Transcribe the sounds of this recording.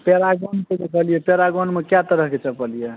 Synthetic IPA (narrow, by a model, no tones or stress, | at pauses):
peɾaɡonked̪ekʰəlijɛpeɾaɡonmekjat̪əɾəɦket͡ʃəpəlijɛ